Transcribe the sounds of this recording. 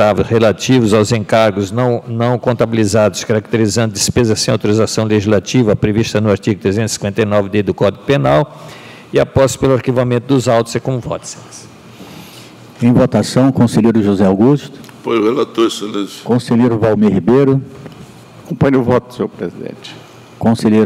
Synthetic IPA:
avʊshelat͡ʃivʊzawzẽŋkaɾɡʊznɐ̃w̃nɐ̃w̃kõnt̪abilizad̪ʊskaɾak̚t̪eɾizɐ̃nd̪ʊd̪ispezɐsẽj̃awt̪oɾizasɐ̃w̃leʒizlat͡ʃivɐpɾeviʃt̪ɐnʊaɾt͡ʃiɡʊt̪ɾezẽt̪i̥sĩ̥kwẽnt̪ɐjnɔvɪd̪ed̪ʊkɔd̪iɡʊpenaw | ɪapɔspelʊaɾkivamẽnt̪ʊd̪ʊzawt̪ʊz̥ɛkõmʊvɔ̰t̪ses | ẽj̃vot̪asɐ̃w̃kõseʎejɾʊʒuzɛawɡust̪ʊ̥ | pojzhelat̪oɾsoleskõseʎejɾʊvawmehibejɾʊ | akõpɐ̃ɲʊvɔt̪ʊ̥soɾpɾezid̪ḛ̃t͡ʃɪ̥ | kõseʎejɾ

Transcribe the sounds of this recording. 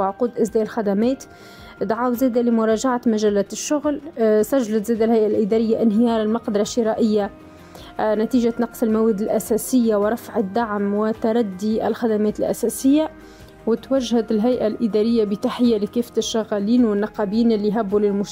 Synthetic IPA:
ʕquːd̪ʔɪsd̪ɛːʔɪlxad̪amɛːt̪ | d̪ʕaːwzɛːd̪alɪmʊɾˤɑːʒaʕat̪maʒælːɛːt̪ʃːʊɣlsæʒːalat̪zɛːd̪alɦæjʔalʔid̪ɑːɾɪjːaʔɪnɦɪjɑːɾˤɪlmɑqd̪ɑɾˤɑʃːɪɾɑʔɪjːa | næt̪iːʒat̪nɑqsˤɪlmawɛd̪ɪlʔæsɛːsɪjːawɪɾˤɑfʕɪd̪ːaʕmwɪt̪aɾˤɑd̪ːiʔɪ̰lxad̪amɛːt̪ɪlʔæ̰sɛːsɪjːa | wɪt̪wæʒhɪd̪ɪlɦæjʔalʔid̪ɑːɾɪjːabit̪aħɪjːalikiːft̪ɪʃːaɣːæliːnwɪnːɑqɑbiːnɪlːiɦæbːulɪlmʊʃ

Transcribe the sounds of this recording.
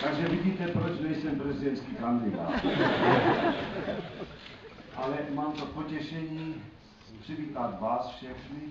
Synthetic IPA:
t̪aɡʒɛviɟiːt̪ɛpɾot͡ʃnɛjsɛmpɾɛzid̪ɛnt̪skikand̪id̪a̰ːt̪ | ʔalɛmaːmt̪opocɛʃɛɲiː | pr̥iʋiːt̪at̪ʋaːsfʃɛxni

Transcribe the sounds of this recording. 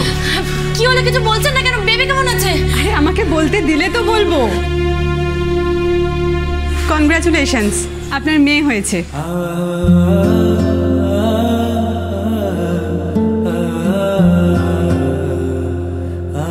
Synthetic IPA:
kiɦolekit͡ɕʰubolt͡ɕʰenːakɛnobebekeɦonot͡ɕʰe | aɾeamakebolt̪ed̪ilet̪obolbo | kɔnɡɾat͡ɕuleʃəns | apnaɾmeːɦojet͡ɕʰe

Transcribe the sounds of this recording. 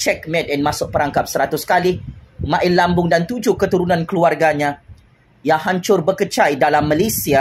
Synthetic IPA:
t͡ʃɛk̚mɛ̃tɛnmãsʊʔ̚pəɾaŋkap̚səɾat̪uskalɪhmãʔɪnlambʊŋdant̪ud͡ʒukət̪uɾunãnkəluarɡaɲã | jaŋhaɲt͡ʃʊrbəkət͡ʃajdalamːalesia

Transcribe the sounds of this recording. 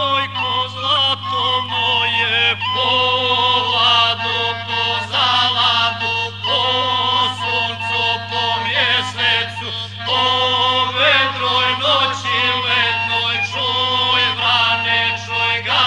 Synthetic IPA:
ojkozat̪onojɛpo | lad̪opozalad̪upo | sont̪opomjɛsɛt̪su | oʋed̪ɾojnot͡ɕiɛd̪nojt͡ʃojvɾanɛt͡ʃojɡa

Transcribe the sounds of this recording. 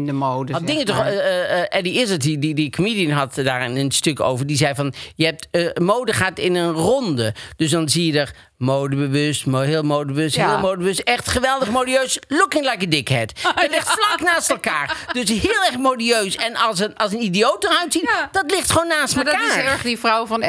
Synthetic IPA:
əmodəɑdɪŋətɔχʔɛdiɪsətididikomiːdiənɦɑtdaːɹɪnənstɵko̰wvəɹdizɛjvɑnjəɦɛp̚tmowdəχaːtɪnənrɔndəd̥ɵsdɑnzijədər | mowdəbəʋɵstmɦɪːlˠmowdəbəʋøstɦɪːlˠmowdəbəʋstɛχtχəʋɛlˠdəχmoːdiøɥslʊkɪŋlajkədɪkɦɛtɛtlɪχtflɑknaːstɛlˠkaːɹd̥øsɦɪːlˠɛɹχmodiøɥsɛnɑlˠsənɑlˠsənidijowt̚dərœɥtsitd̥ɑtlɪχtχoːwnːaːstmɛlaɛχdivrawvɑn

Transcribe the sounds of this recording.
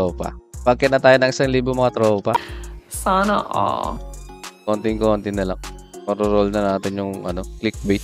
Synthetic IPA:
oːpɐ̰baːɡ̚kɪt̪nɐt̪aːjonɐŋʔɪsaŋliːboŋmɐŋat̪ɾoːpɐsanoʔo̰ː | koːnt̪ɪŋkont̪ɪŋnɐlɐŋoɾoɾolnɐnaːt̪ɪnjʊŋʔɐ̰no̞klɪk̚bɛj̪

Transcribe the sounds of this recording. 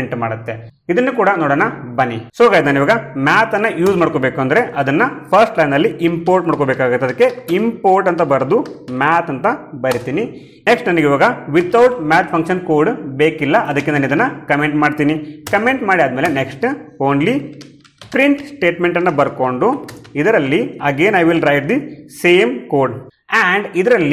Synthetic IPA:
ɳʈmaːɽut̪ːe̞ | id̪ɐnːukuːɽɐnoːɽɐːnɐbɐnːisɔɡajd̪aːniʋaːɡɐmaːt̪ɐnːɐjuːzmaːɽkobeːkuɐnd̪ɐɾe̞ʔɐd̪ɐnːɐpʰɐɾsʈlɐjnɐlːiʔimpoːɾʈmaːɽkobeːkaːɡut̪ːɐd̪ɐkːeimpoːɾʈɐnt̪ɐbɐɾd̪umaːt̪ɐnt̪ɐbɐɾit̪iːni | neksʈnɐnɐɡeiʋaːɡɐʋit̪ːɐwʈmæːt̪pʰɐŋkʃɐnkoːɾɖbeːkilːɐʔɐd̪ɐkːenaːnid̪ɐnːɐkɐmeɳʈmaːɖt̪iːnikɐme̞ɳʈmaːɽiaːd̪meːle̞neksʈoːnli | pɾiɳʈsʈe̞ːʈme̞ɳʈɐnːɐbɐɾko̞ɳɖuid̪ɐɾɐlːiɐɡe̞ːnɐjʋilɾɐjʈ̚d̪iseːmkoːɾɖ | æɳɖid̪ɐɾɐlːi

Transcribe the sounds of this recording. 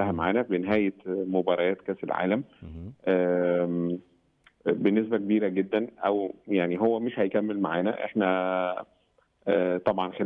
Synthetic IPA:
æhæmaʕaːnæbeneɦæːjemobɑɾˤɑjæːt̪kæːselʕa̰ːlæmʔæː | benːes̬bækebiːɾæɡed̪ːænʔæwjaʕniɦowːæmeʃhæjkæmːelmaʕaːnæʔḛħnæ | t̪ˤɑbʕɑnxe

